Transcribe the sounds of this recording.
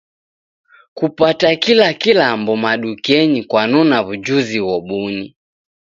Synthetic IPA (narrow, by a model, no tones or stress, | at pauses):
kupatakilakilambɔmaɗukɛɲikwanɔnaβud͡ʒuziwɔɓuɲi